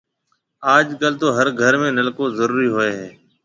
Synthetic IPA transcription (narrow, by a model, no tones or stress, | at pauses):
aːd͡ʒkəlt̪oːɦəɾɡʱəɾmẽːnəlkõːzəɾuːɾiːɦoːeːɦɛː